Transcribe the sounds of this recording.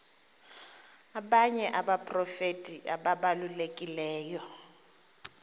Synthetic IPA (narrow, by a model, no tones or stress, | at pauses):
aɓaɲɛʔaɓapʼrɔfetʼiʔaɓaɓalulekʼilɛːjɔ